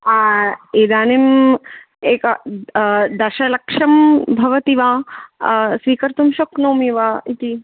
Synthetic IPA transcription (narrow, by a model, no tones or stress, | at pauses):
aːid̪aːnim | eːkɐ | d̪ɐɾʃɐlɐkʂɐmbʱɐʋɐt̪iʋãː | sʋiːkɐɾt̪umʃoknoːmiʋaːit̪i